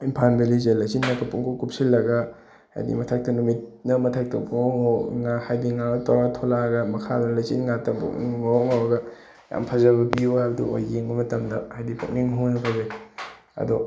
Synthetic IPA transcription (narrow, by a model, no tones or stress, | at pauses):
impʰanbelizelajt͡ʃinːɐkɐpuŋkʰokup̚silːɐɡɐ | ha̰jdḭmɐtʰɐk̚tɐnumit̚nɐmɐtʰɐk̚tɐpooŋowŋahajdiŋaɡɐtawɾatʰolaɡɐmɐkʰadunɐlɐjt͡ʃinŋatɐpo̰kniŋoŋawɐɡɐ | ja̰mpʰɐzɐbɐbiuabɐdṵʔo̰jɡeŋbɐmɐtɐmdɐhajdipʰo̰k̚niŋɦownɐpʰɐze | ɐ̰do